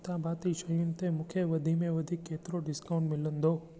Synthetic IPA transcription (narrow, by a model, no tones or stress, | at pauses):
t̪ãbʱaːt̪it͡ʃʰɐjunt̪emʊkʰjeʋɐd̪ʱimẽʋɐd̪ʱiket̪ɾoɖɪskɐwʊɳʈmɪlɐnd̪oː